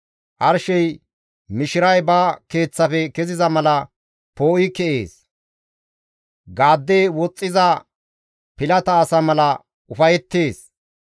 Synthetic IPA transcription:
ʔɐɾʃɛj | mɪʃɪɾɐjbaːke̞ːt͡sːɐfɛkɛzɪzɐmɐlɐ | poːʔɪkɛʔe̞̰ːs | ɡaːd̪ːeːwɔt͡sʼːɪzɐ | pɪlɐt̪ɐːsɐmɐlɐ | ʊfɐjɛt̪ːe̞ːs

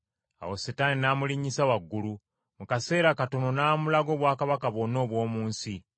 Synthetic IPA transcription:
a̰wosetaninaːmuliɲisawaɡːulu | mukase̞ːɾakato̞no̞naːmulaɡo̞ːβwaːkaβakaβono̞ːβwo̞ːmuːnsi

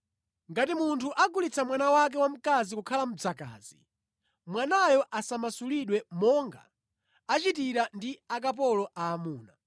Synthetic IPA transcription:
ŋɡatimuntʰuʔaɡulit͡sʰamwanawak̬ɛwam̩kazikukʰalam̩d͡zaka̰ːz̥ḭ | mwanajɔʔasamasuliɗwɛmɔŋɡa̰ | at͡ʃitiɾandiak̬ap̬ɔlɔʔaːmuːna

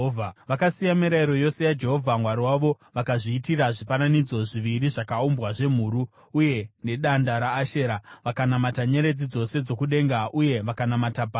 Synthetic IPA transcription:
ʋakasijamiɾaiɾo̞jo̞se̞jad͡ʒe̞ɦo̞vʱamwaɾiwaʋo̞ | ʋakaʐiːtiɾaʐifananid͡zo̞ʐiʋiɾiʐakaumbwaʐe̞m̤uːɾuː | je̞ne̞ɗandaɾaːʃe̞ɾaʋakanamataɲe̞ɾe̞d͡zid͡zo̞se̞d͡zo̞kuɗe̞ŋɡaʔuje̞ʋakanamatapa

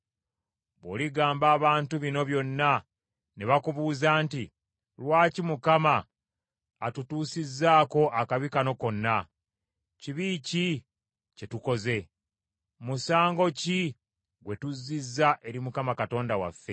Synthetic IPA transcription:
βo̰ːliɡaːmbaːβaːntuβino̞βjo̞nːa | ne̞βakuβuːzaːnti | lwaːcimukamaː | tutuːsizːaːko̞ʔakaβikano̞ko̞nːa | ciβiːci | ce̞tuko̞ze̞ | musaːŋɡo̞ci | ɡwe̞tuzːizːaʔe̞ɾimukamakato̞ːndawa̰fːe̞̰

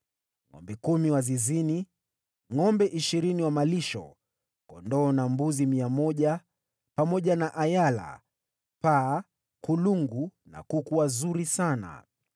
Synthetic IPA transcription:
ŋɔ̰mbɛkumiwazizini | ŋɔmbɛʔiʃiɾiniwamaliʃɔ̰ | kɔndɔːnambuzimiamɔʄa | pamɔʄanaʔajala̰ | paː | kuluŋɡuna̰kukuwazuɾisana̰

